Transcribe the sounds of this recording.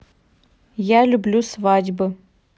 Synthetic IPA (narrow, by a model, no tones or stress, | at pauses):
jalʲublʲusvad͡ʒbɨ